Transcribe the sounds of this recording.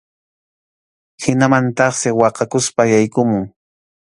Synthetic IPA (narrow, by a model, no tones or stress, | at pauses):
hɪnamant̪ɑχsɪwɑqɑkʊspajajkʊmʊŋ